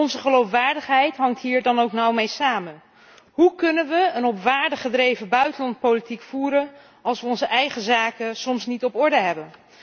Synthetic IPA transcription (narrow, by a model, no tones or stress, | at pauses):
ɔnzəχəlowfʋaːɹdəχɦɛjtɦɑŋtɦiːɹdɑnowknɔwmejsaːmən | ɦukɵnənʋəənɔpʋaːɹdəχədrejvəbœɥtənlɑntpolitikfuːɾən | ɑlˠsʋəɔnzəʔɛjχəzaːkənsɔmsnitɔpɔɹdəɦɛbən